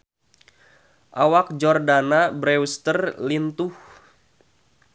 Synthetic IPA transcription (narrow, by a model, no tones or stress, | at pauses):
ʔawak̚d͡ʒɔrdanabɾɛwst̪ərlint̪uh